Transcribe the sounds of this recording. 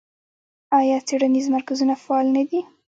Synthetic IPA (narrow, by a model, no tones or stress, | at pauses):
ɑjɑt͡seɽanizmaɾkazunafaɑlnad̪i